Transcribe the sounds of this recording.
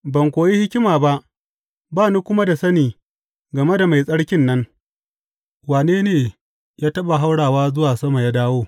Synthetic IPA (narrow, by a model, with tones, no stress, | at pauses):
bɐ˨ŋkʷoː˨ji˦hɪ˦kʲɪ˦maː˨ba˦ʔ | baː˦nu˦kʷʊ˦ma˦da˨sɐ˦niː˨ | ɡɐ˨me˦da˨ma˨jsʼɐ˦ɽkʲɪ˦nːɐ˦ŋ | waː˨neː˦neː˨ | jaː˦tɐ˦ɓa˨ɦa˦wɽaː˨waː˦zʊ˦waː˨sɐ˦ma˨ja˦daː˦woː˦